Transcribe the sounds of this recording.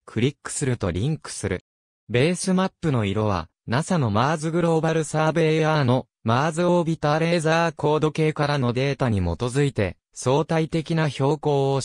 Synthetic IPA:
kʰɯ̟ɾʲikːɯ̟̥sɨɾɯ̟t̪o̞̰ɾʲĩŋkɯ̟̥sɨɾɯ̟̰ | be̞ːsɨmapːɯ̟no̞iɾo̞β̞a̰ | nasano̞maːzɨɡɯ̟ɾo̞ːbaɾɯ̟saːbeɯaːno̞ | maːzɨoːbʲit̪aɾe̞ːzaːko̞ːd̪o̞ke̞ːkaɾano̞d̪e̞ːt̪aɲ̟imo̞t̪o̞zɨit̪e̞ | so̞ːt̪ait̪e̞kʲinaço̞ːko̞ː

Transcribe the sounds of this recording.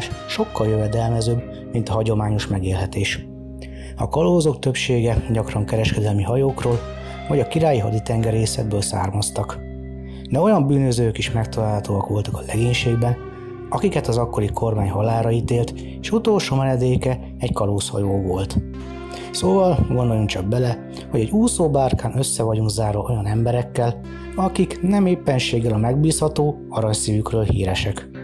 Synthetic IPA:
ʃʃo̞kːɒljøvɛd̪ɛlmɛzøːb | mint̪ɒɦɒɟo̞maːɲo̞ʃmɛɡeːlɦɛt̪eːʃ | ɒ̰kɒloːzo̞kt̪øpʃeːɡɛɟɒkrɒŋkɛɾɛʃkɛd̪ɛlmiɦɒjoːkroːl | vɒɟɒkiɾaːjiɦɒd̪it̪ɛŋɡɛɾeːsɛ̰d̪̚bøːlsa̰ːrmɒst̪ɒk | d̪ɛo̞jɒmbyːnøzøːkiʃmɛkt̪ɒlaːlɦɒt̪oːɒkʋo̞lt̪ɒkɒ̥lɛɡeːɲʃeːɡbɛn | ɒkikɛt̪ɒzɒkːo̞ɾikʰo̞rmaːɲɦɒlaːɾɒit̪eːlt̪ | eːʃut̪o̞lʃoːmɛnɛd̪eːkɛ | ɛɟkɒloːshɒ̰joːvo̞lt̪ | soːvɒlɡond̪oluŋkt͡ʃɒɡ̚bɛlɛ | ho̞ɟɛɟuːsoːbaːrkaːnøsːɛvɒɟuŋkzaːɾɒo̞jɒnɛmbɛɾɛkːɛl | ɒkiknɛmeːpːɛnʃeːɡːɛlɒmɛɡbiːshɒt̪oː | ɒɾɒɲsivykrøːlhḭːɾɛʃɛk

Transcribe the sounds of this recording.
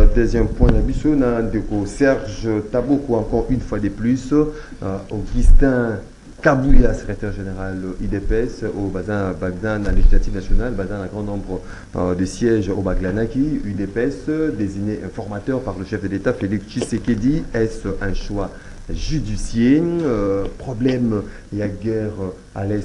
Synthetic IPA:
t̪ɛzjɛmpwɛ̃nabisonad̪ekosɛʁʒət̪abokoɑ̃kɔʁynfwad̪əplys | oɡyst̪ɛ̃ | kabuljasə̥kχet̪ɛʁʒeneʁalyd̪epɛsobazɛ̃baɡnɛ̃ãleʒislat̪ivnasjɔnalbazɛ̃ɛ̃ɡʁɑ̃nɔ̃bʁə | d̪əsjɛʒobaɡlanakʲiyd̪epɛsd̪eziɲeʔɛ̃fɔʁmat̪œʁpaʁləʃɛfd̪əlet̪afeliksʃiseked̪iɛsɛ̃ʃwa | ʒyd̪isje | pχɔblɛm | iaɡɛʁ | a̰lɛ

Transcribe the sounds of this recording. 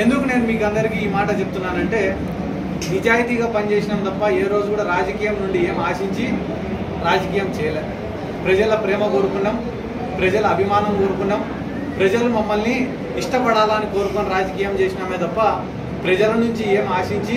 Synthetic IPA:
e̞nd̪ukune̞ːnumiːkɐnd̪ɐɾikiːmaːʈɐt͡ʃebut̪unːaːnɐɳʈe̞ː | nid͡ʒaːjit̪iːɡaːpɐnt͡ʃe̞ːsinɐmt̪ɐpːɐe̞ːɾo̞ːd͡ʒukuːɽaːɾaːd͡ʒɐkiːjɐmnuɳɖie̞ːmaːʂiɲt͡ʃi | ɾaːd͡ʒɐkiːjɐmt͡ʃɛːjɐleːd̪u | pɾɐd͡ʒɐlɐpɾɛːmɐko̞ːɾukunːaːm | pɾɐd͡ʒɐluɐbʱimaːnɐmko̞ːɾukunːaːm | pɾɐd͡ʒɐlumɐmːɐlni | iʂʈɐpɐɽaːlɐniko̞ːɾukonɐɾaːd͡ʒɐkiːjɐmt͡ʃe̞ːsinaːmeːt̪ɐpːɐ | pɾɐd͡ʒɐlɐnuɲt͡ʃie̞ːmaːʂiɲt͡ʃi

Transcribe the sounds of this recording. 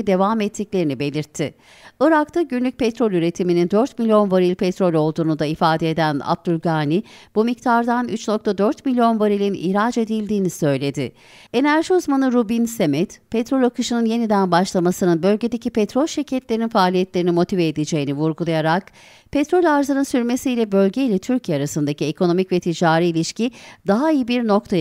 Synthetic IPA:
d̪e̞vamɛt̪ːiclʲe̞ɾinibe̞lʲiɾt̪ʰːɪ | ɯɾakt̪ʰaɟynlʲyc̚ʲpɛt̪ɾo̞lʲyɾe̞t̪ʰiminind̪øɾt̪milʲijo̞nvaɾilʲpʰɛt̪ɾo̞lʲo̞lˠd̪uːnud̪aifaːd̪eːd̪æna̰b̚d̪ylʲɡaːnib̥umic̚t̪ʰaɾd̪anyt͡ʃno̞k̚t̪ʰad̪øɾt̪milʲijo̞nvaɾilʲinḭɾaːd͡ʒe̞d̪ilʲd̪iːnisø̞jlʲe̞d̪ɪ | e̞næɾʒiuzmanɯɾubinsemɛt̪pʰet̪ɾo̞lʲakʰɯʃɯnɯnje̞nid̪ænbaʃlˠamasɯnɯnbø̞lʲɟe̞d̪e̞cʰipʰet̪ɾo̞lʲʃiɾcʰɛt̪lʲeɾininfaːlʲijɛt̪lʲeɾinimo̞t̪ʰiveːd̪ed͡ʒe̞jinivuɾɡulˠajaɾak | pʰet̪ɾo̞lʲaɾzɯnɯnsyɾme̞siːlʲɛbø̞lʲɟe̞ilʲɛt̪ʰyɾcʰijɛaɾasɯnd̪aciekʰo̞no̞micvɛt̪ʰid͡ʒaːɾiːlʲiʃcid̪aɦaijɯbiɾno̞k̚t̪ʰa

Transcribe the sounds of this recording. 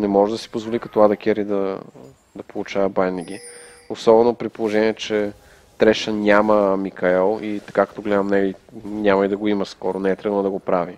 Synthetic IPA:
nɛmɔʒɛd̪ɐsi̥pozvolʲikɐt̪ɔad̪ɐkʲɛɾid̪ɐ | d̪ɐpolˠut͡ʃavɐbajniɡ̟i | osɔbɛnopɾipolˠoʒɛniɛt͡ʃɛ | t̪ɾɛʃənʲaməmikɐɛlˠit̪ɐ̥kakɐ̥t̪ɔɡlɛd̪əmnɛlinʲamɐid̪ɐɡoiməskɔɾonɛɛt̪ɾɛd̪lˠːd̪ɐɡopɾavi

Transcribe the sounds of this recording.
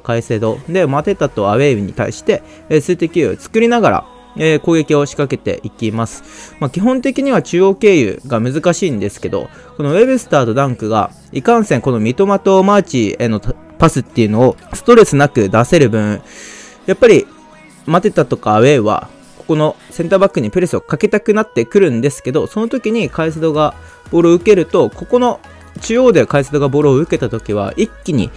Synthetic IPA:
kaise̞ːd̪o̞d̪e̞mat̪e̞t̪at̪o̞aβe̞ɯ̟ɲ̟it̪a̰ḭɕi̥t̪e̞ | esɨt̪ekʲiɯo̰t͡sɨ̥kɯ̟ɾʲinaɡaɾa̰ | eko̞ːɡe̞kʲio̞ɕi̥kake̞t̪e̞̰ʔikʲimasɨ̥makʲiɦõ̞nt̪e̞kʲiɲ̟iβat͡ɕɨːo̞ke̞ːjɯ̰ɡamɯ̟zɨkaɕĩːnd̪e̞sɨ̥ke̞d̪o̞̰ | ko̞no̞βe̞bɯ̟sɨ̥t̪aːd̪o̞d̪ãŋkɯ̟ɡa̰ | ikãɰ̃sẽ̞ŋko̞no̞mʲit̪o̞mat̪o̞mat͡ɕino̞ | pasɨt̪ːe̞iɯ̟no̞ːsɨ̥t̪o̞ɾe̞sɨnakɯ̟d̪ase̞ɾɯ̟bɯ̟̃ɴ | japːaɾʲi | mat̪e̞t̪at̪o̞kaːβe̞βa̰ | ko̞̥ko̞no̞sẽ̞nt̪aːbakːɯ̟ɲ̟ipɯ̟ɾe̞sɨo̞kake̞t̪akɯ̟nat̪ːe̞kɯ̟ɾɯ̟̃nd̪e̞sɨ̥ke̞d̪o̞so̞no̞t̪o̞kʲiɲ̟ikais̬ɨd̪o̞ɡa | b̥o̞ɾoɯ̟ke̞ɾɯ̟t̪o̞ko̞ko̞no̞ | t͡ɕijo̞ːd̪e̞kais̬ɨd̪o̞ɡabo̞ɾoːɯ̟ke̞t̪at̪o̞kʲiβ̞a̰ikʲːiɲ̟ḭ

